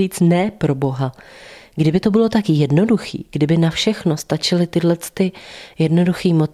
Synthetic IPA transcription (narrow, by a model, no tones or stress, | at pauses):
iːt͡snɛpɾo̞bo̞ɦaɡdɪbɪt̪o̞bɪlo̞t̪akjɛdno̞duxḭːɡ̥dɪbɪnafʃɛxno̞st̪at͡ʃɪlɪt̪ɪdlɛt͡st̪ɪjɛdno̞duxiːmo̞t͡s